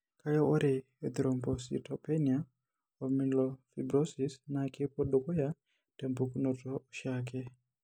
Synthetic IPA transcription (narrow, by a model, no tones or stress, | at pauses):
kajɛʔɔɾe | ɛd̪iɾɔmbɔsḭtʰɔpɛnia | ɔmilɔfibɾɔsisnakepɔɗokɔja | tɛmbukunɔtɔʃakɛ